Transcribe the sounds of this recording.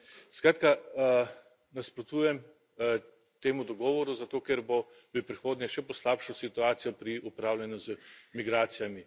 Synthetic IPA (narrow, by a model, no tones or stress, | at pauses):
skɾaːt̪ka | naspɾɔt̪uːjɛm | t̪eːmud̪ɔɡɔːʋɔɾuzat̪oːkɛɾbo | bipɾixoːd̪nɛʃɛpɔslaːpʃɔsit̪uaːt̪sijɔpɾiʔupɾaːwlʲɛnjɔzmiɡɾaːt̪sijami